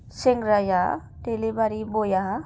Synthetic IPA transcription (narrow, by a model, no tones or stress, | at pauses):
seŋɡɾaja | ʈelibaɾibojaɦ